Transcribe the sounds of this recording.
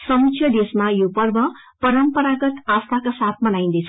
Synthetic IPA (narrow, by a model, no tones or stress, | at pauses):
sʌmisʰjʌd̪esmajopʌrbʌ | pʌɾʌmpʌɾaɡʌt̪ast̪ʰakasat̪̚ʰmʌnaj̃nd̪ʌjt͡sʰ